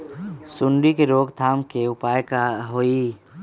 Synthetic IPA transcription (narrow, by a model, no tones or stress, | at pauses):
sʊɳɖikeɾoːɡt̪ʰaːmkeʊpaːjkaɦoi